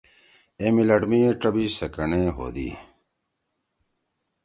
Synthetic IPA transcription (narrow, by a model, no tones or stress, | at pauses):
emilɐʈmiʈɐbisɐkɐneːɦo̰ːd̪ḭ